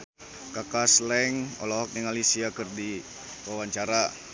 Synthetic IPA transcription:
kakaslɛŋɔ̰lɔɦɔk̚niŋalisiakərdi | wawaɲt͡ʃaɾa

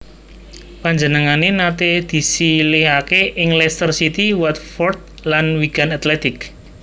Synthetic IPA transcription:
paɲd͡ʒənəŋanenat̪ed̪̥i̤silɪɦakeʔɪŋlɛst̪ərsit̪iwat̪̚fɔrd̪̚lanwiɡ̥a̤nat̪lɛt̪ɪk

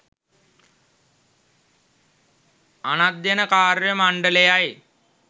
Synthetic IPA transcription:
anad̪jenəkaːɾjəmaɳɖəlejaj

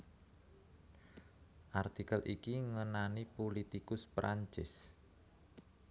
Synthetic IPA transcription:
ʔart̪ikəlʔikiŋənanipolit̪ikʊspɾʔaɲt͡ʃɪ̰s

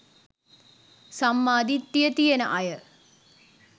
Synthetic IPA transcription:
sɐmːaːd̪it̪jɐt̪ijɐnɐʔɐjɐ

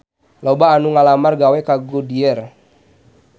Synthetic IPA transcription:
lɔbaːnuŋalamarɡawɛkaɡudiɛr

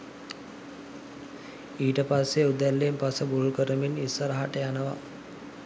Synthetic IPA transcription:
iːʈəpasːeud̪ælːempasəbulukəɾəminisːəɾəɦaʈəjanəʋa̰

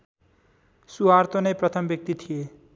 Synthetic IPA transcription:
suart̪onʌprʌt̪ʰʌmbjʌk̚t̪it̪ʰije

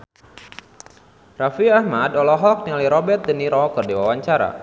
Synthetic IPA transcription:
rafiahmadɔlɔɦɔk̚nialiɾɔbɛt̪̚dəniɾɔkərdiwawaɲt͡ʃaɾa̰

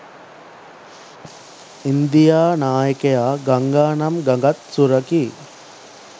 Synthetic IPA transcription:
ind̪ijaːnaːjɐkejaːɡɐŋɡaːɳɐmɡɐŋɡɐt̪suɾɐki

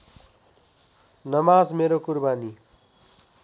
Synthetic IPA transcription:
nʌmazmeɾokuɾbaːni

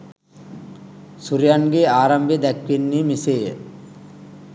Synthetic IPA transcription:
suɾjanɡeːaːɾɐmbʱed̪ɛkʋenːiːmiseːə̰

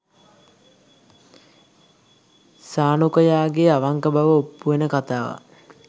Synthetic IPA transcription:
saːnukəjaːɡeaʋaŋkəbaʋəopːuʋenəkat̪aːʋa̰

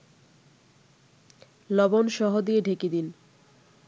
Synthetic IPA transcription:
lɔbonʃɔɦod̪ieɖʱekid̪in

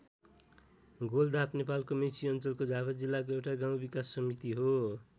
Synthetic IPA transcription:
ɡold̪ʱapnepalkomesiʌnt͡sʌlkod͡zapʰʌd͡zilːakoewʈaɡãw̃bikasːʌmit̪iɦo

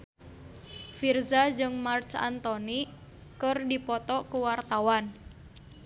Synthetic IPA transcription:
firzad͡ʒɨŋmart͡ʃa̰nt̪ɔni | kərdipɔt̪ɔkuwart̪awan

